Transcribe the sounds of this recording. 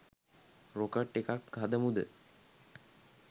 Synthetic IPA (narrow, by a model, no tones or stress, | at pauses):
ɾokəʈekak̚ɡʱad̪əmud̪ə̰